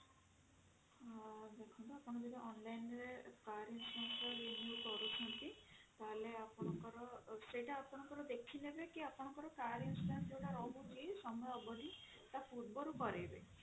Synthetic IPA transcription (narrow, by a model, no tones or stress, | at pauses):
d̪ekʰɔnt̪uapɔñɔbid̪ɔʔɔnlajnɾekaɾinsʈansɔɾinjukɔɾut͡ʃʰɔnt̪it̪aɦleapɔnɔkɔɾɔseʈaapɔnɔŋkɔɾɔd̪ekʰinebekiapɔnɔkɔɾɔkaɾinsʈansd͡ʒewʈaɾɔbukisɔmɔjɔbɔʈi | t̪apʰuɾ̚bɔɾukɔɾebe